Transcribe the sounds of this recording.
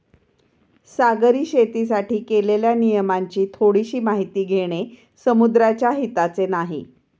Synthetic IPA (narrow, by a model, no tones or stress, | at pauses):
saɡəɾiːɕet̪is̬aʈiːkeleljanijəmaɲt͡ɕiːt̪ʰoɽiɕiːmaɦit̪iːɡʱeɽ̃e | səmud̪ɾat͡ɕjaɦit̪at͡senaɦḭ